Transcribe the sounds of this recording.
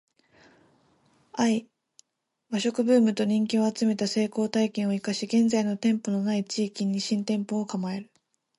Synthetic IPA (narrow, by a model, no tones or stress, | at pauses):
ai | baɕo̞kɯ̟bɯ̟ːmɯ̟t̪o̞ɲ̟ĩŋk̬ʲio̞at͡sɨme̞t̪ase̞ːko̞ːt̪aikẽ̞ɰ̃o̞ikaɕiɡẽ̞nd͡zaino̞t̪ẽ̞mpo̞no̞nait͡ɕiːkʲiɲ̟iɕĩnt̪ẽ̞mpo̞ːkamae̞ɾɯ̟